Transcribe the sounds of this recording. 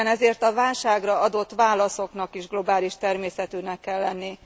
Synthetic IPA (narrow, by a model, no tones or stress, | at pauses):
ɛnɛzeːrt̪ɒvaːlʃaːɡrɒɒd̪o̞t̪ʋaːlɒso̞knɒkiʒɡlo̞baːliʃt̪ɛrmeːsɛt̪yːnɛkːɛlːɛnːi